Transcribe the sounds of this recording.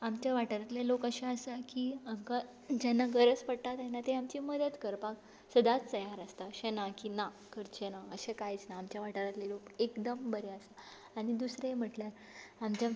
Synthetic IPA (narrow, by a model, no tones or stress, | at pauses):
amt͡ɕjaʋaʈəɾat̪lelokəɕẽəsakiamka | d͡ʑanːaɡəɾət͡spəɽʈ̪at̪jɛnːat̪eamt͡ɕiːməd̪ət̪kəɾpãk | səd̪at͡st͡səjaɾəst̪aəɕẽnakina | kəɾt͡ɕenaəɕekajit͡snaamt͡ɕjaʋaʈəɾat̪lelokekd̪əmbəɾeəsa | aɽ̃id̪usɾem̤əʈljaɾ | amt͡ɕja